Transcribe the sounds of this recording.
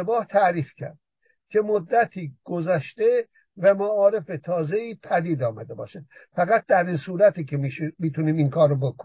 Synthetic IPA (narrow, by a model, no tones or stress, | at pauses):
ebɒːht̪ʰæɾiːfcʰæ̰ɾd̪̥̚ | cʰe̞mod̪ːæt̪ʰiːɡ̥ozæʃt̪e | væmæɒːɾe̞fet̪ʰɒːze̞iːpʰæd̪iːd̪ɒːmæd̪e̞bɒ̰ːʃæd̪̥ | fæɣæt̪̚d̪æɾinsuːɾæt̪iːkʰemiʃmiːt̪ʰuniːmiŋkʰɒːɾːobokʰo